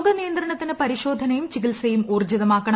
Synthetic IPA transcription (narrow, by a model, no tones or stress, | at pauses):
ɡɐnijɐnd̪rɐɳɐt̪ːinɨpɐɾiɕo̞ːd̪ʱɐnɐjumt͡ɕikilsɐjumuːrd͡ʑɐðɐmaːkːɐɳɐ